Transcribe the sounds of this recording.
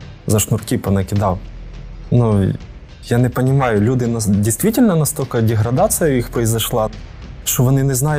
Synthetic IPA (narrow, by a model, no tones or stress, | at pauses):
zɐʃnʊrkʲipɐnɐkʲɪd̪ɑw | nu | janɛpɐnʲɪmɑjʊlʲud̪ɪnɐdʲijst̪ʋʲitʲɪlʲnɐnɐst̪olʲkɐdʲɛɦɾɐd̪at̪sɨjɐjixpɾɐizɐʃlˠɑ | ʃt͡ʃɔʋɔnɪnɛznɑjʊ